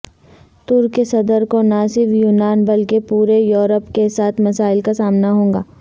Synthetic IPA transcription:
t̪ʊɾkesɐd̪əɾkonasɪɾfjuːnaːnbɐlkepuːɾejoːɾəpkesaːt̪ʰmɐsaːɪlkasaːmnaɦõːŋɡaː

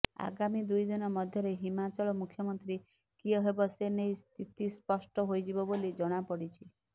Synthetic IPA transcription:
a̰ɡamid̪ujd̪inɔmɔd̪ʱjɔɾeɦimat͡ʃɔɭɔmukʰjɔmɔnt̪ɾi | kiɔɦebɔsenejst̪ʰit̪ispɔsʈɔɦojd͡ʒibɔbolid͡ʒɔɽ̃apɔɽit͡ʃʰi

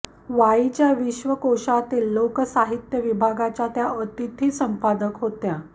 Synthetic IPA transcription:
ʋait͡ɕjaʋiɕʋəkoʂat̪iːlːokəsaɦit̪jəʋibʱaɡat͡ɕjat̪jaʔət̪it̪ʰiːsəmpad̪əkɦot̪ja

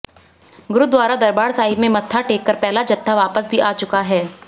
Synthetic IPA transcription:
ɡʊɾʊd̪ʋaːɾad̪ɐɾbaːɾsaːɦɪbmẽmɐt̪ʰːaʈeːkːəɾpɛɦlad͡ʒɐt̪ʰːaʋaːpəsbʱiʔaːt͡ʃʊkaɦɛː

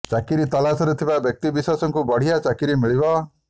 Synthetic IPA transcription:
t͡ʃakiɾit̪ɔlasɔɾet̪ʰibabjɔk̚t̪ibisasɔŋkubɔɽ̤ijat͡ʃakiɾimiɭibɔ

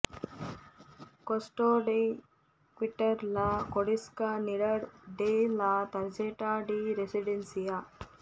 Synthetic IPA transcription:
kosʈoːɖi | kʋiʈːɐɾlɐkoɽiskaniɽɐɾɖeːlɐt̪ɐɾd͡ʒeːʈaːɖiɾesiɖensija

